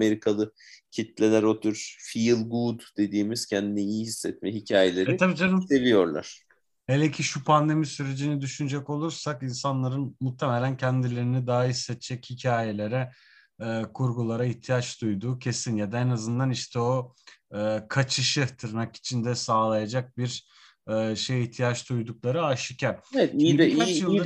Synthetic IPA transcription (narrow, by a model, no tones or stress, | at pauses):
me̞ɾikʰalˠɯ | cʰit̪lʲelʲæɾot̪ʰyɾfilˠɡud̪d̪e̞d̪iːmiz̥cʰɛnd̪inɛijhisːɛt̪̚mɛɦicʰaːjelʲe̞ɾɛit̪ʰabiːd͡ʒaɾɯmse̞vijo̞ɾlˠa̰ɾ̥ | helʲecʰiʃupʰand̪e̞misyɾe̞d͡ʒinid̪yʃynyd͡ʒɛko̞lˠuɾsakinsanlˠaɾɯnmut̪ʰːemelʲæncʰænd̪ilʲe̞ɾinid̪aɦaɦisːɛt̪t͡ʃʰɛchicʰaːje̞lʲe̞ɾɛː | kʰuɾɡulˠaɾaiht̪ʰijat͡ʃd̪ujd̪uːcʰe̞sinjad̪aenazɯnd̪aniʃt̪ʰɛo̞ɯkʰat͡ʃʰɯʃɯt̪ʰɯɾnaki̥t͡ʃʰind̪ɛsaːlˠajad͡ʒak̚biɾ | ɛːʃe̞jiht̪ʰijat͡ʃd̪ujd̪uk̚lˠaɾɯaʃicʰaɾeɛt̪iikat͡ʃjɯlˠː